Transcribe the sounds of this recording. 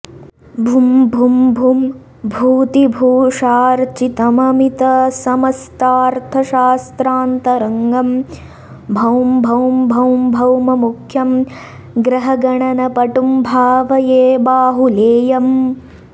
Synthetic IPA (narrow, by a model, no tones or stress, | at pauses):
bʱumbʱumbʱum | bʱuːt̪ibʱuːʂaːɾt͡ʃit̪ɐmɐmit̪ɐsɐmɐst̪aːɾt̪ʰɐʃaːst̪ɾaːnt̪ɐɾɐŋɡɐm | bʱɐwmbʱɐwmbʱɐwmbʱɐwmɐmukʰjɐm | ɡɾɐɦɐɡɐɳɐnɐpɐʈumbʱaːʋɐjeːbaːɦuleːjɐm